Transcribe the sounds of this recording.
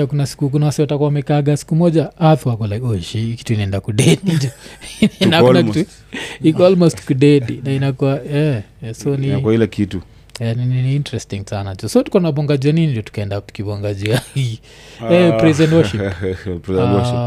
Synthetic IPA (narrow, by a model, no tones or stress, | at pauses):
akunasi̥kuk̬unawasiwatakuamɛkaːɡasi̥kumɔd͡ʒaaθuakɔlaɔʃiki̥tuinaɛndakudɛdnd͡ʒɔ | nahakunakitu | ikɔɔlmɔstkudɛdinainakuwaɛsɔniilɛkitu | anininiintɾɛstiŋsanat͡ʃɔsɔtu̥kɔunapɔŋɡad͡ʒianinindjɔtu̥kaɛndakivɔŋɡad͡ʒiaɡi | ɛpɾizɛndɔʃippzɛ